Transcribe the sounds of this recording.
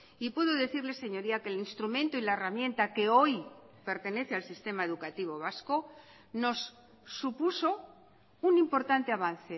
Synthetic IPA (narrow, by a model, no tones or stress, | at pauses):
ipuðoðe̞θiɾle̞se̞ɲo̞ɾiake̞linst̪ɾumẽnt̪oilaeramjẽ̞nt̪ake̞o̞j | pe̞ɾt̪e̞ne̞θealsist̪e̞maeðukat̪iβ̞o̞β̞asko̞ | no̞sː | upuso̞ | unimpo̞ɾt̪ant̪eaβ̞an̟θe̞